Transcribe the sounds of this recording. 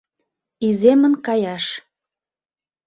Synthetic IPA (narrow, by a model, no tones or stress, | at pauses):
izemənkɑjɑʃ